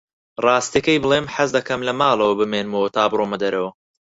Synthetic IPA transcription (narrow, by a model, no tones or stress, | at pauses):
rˤɑːst̪jekɐjbɨlˠeːmħazd̪ɐkɐmlɐmaːlˠɐwɐbɨmeːnmowɐt̪ʰaːbɾoːmɐd̪ɐɾʔɐwɐ